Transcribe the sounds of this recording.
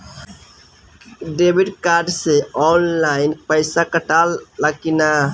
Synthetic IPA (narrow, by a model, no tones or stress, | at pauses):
ɖebiɖkaɾɖseɔnlaɪnpəjsakəʈalːəkina